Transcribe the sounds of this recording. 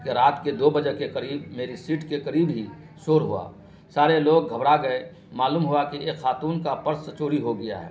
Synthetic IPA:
keɾaːt̪ked̪oːbəd͡ʒəɦkekɐɾiːbmeːɾisiːʈkekəɾiːbɦi | soːɾɦṵa̰ː | saːɾeloːɡ̚ɡʱɐbɽaɡɐe | maːluːmɦuakieːxaːt̪uːnkapəɾsət͡ʃoːɾiɦoɡɐja̰ɦɛ̰ː

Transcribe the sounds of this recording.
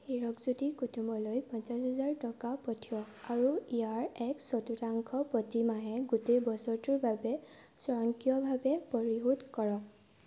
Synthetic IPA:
heɹɔkzutikutʰumɔlojpãnt͡ʃasɦazaɹtɔkapɔtʰiɔkaɹuijaɹɛksɔtutaŋkʰɔpɔtimaɦɛ̃ɡutejbɔsɔɹtuɹbabɛ | sɔɹɔŋkijɔbʱabɛpɔɹiɦutkɔɹɔk̚

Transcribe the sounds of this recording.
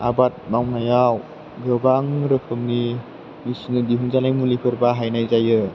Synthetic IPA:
a̰bat̚mawnajaw | ɡɯbaŋɾɯpʰɯŋni | misunɯdiɦuŋzalajmulipʰɯɾbaɦajnajzajɯ

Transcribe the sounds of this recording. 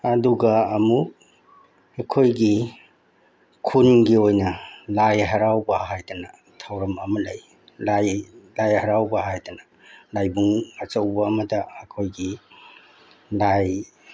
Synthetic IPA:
ɐduɡɐːmuk̚ | ɐkʰojɡi | kʰunɡiojnɐlajɦɐɾawbɐɦajdɐnɐ | tʰawɾɐmɐmɐlɐj | lajlajhɐɾawbɐɦajdɐnɐ | lajbuŋɐt͡ʃɐwbɐːmɐdɐːkʰojɡi | laj

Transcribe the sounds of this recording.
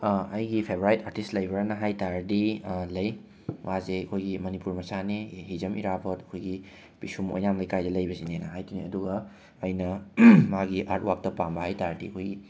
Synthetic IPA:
ɐjɡipʰebɾajtaɾtistlɐjbɐɾnɐɦajtaɾɐdilɐj | wʔazeɐkʰojɡimɐnipuɾmɐsaniɦizɐmḭɾabʰɐtɐ̥kʰojɡi | pisumo̰jnamlɐjkajdɐlɐjbɐsinenɐɦajtʰiniɐduɡɐː | jnɐmaɡiʔaɾt̚wak̚tɐpambɐhajtaɾdḭɐkʰojɡi

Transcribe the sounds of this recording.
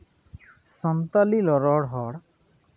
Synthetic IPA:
sɔnt̪alilɔɾɔɽɦɔɽ

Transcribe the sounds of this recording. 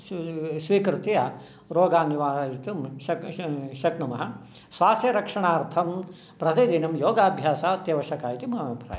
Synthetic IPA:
sʋiːkɾut̪ijɐ | ɾoːɡaːniʋaːjit̪umʃɐʃɐknumɐɦɐ̆ | sʋaːst̪jɐɾɐkʂɐɳaːɾt̪ʰɐm | pɾɐt̪id̪inɐmjoːɡaːbʱjaːsaːɐt̪jɐʋɐʃɐkaːjit̪imɐɦɐʋʱipɾa̰ːj

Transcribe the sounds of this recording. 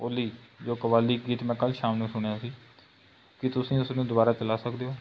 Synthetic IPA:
oːliːd͡ʒoːkəbaːliːɡiːt̪mɛ̃ːkəlʃaːmnũːsʊɽ̃jaːsiː | kɪt̪ʊsĩːʊsnũːd̪ʊbaːɾaːt͡ʃəlaːsəkd̪eːɦoː

